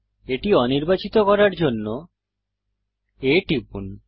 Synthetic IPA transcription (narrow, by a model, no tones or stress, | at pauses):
eʈiɔniɾbat͡ɕit̪okɔɾaɾd͡ʑonːo | eʈipun